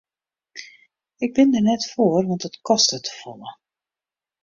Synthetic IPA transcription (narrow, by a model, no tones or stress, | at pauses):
ɪɡ̚bɪndərnɛtfoərʋɑntdətkɔstətʰə̥fɔlˠə